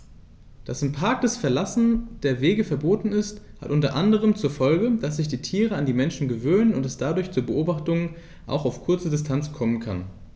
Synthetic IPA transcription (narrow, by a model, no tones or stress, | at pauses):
d̥asɪmpʰaɐk̚d̥ɛsfɛɐlasn̩d̥eːɐveːɡəfɛɐboːtn̩ɪstha̰tʔʊntɐʔandəʁ̞əmt͡suːɐfɔlɡəd̥as̬z̥ɪçd̥iːtʰiːʁəandiːmɛnʃn̩ɡəvøːnənʊntɛsd̥adʊɐçt͡suːɐbəʔoːbaχtʊŋən | ʔa̰ʊxaʊfkʰʊɐt͡sədɪstʰant͡skʰɔmənkʰa̰n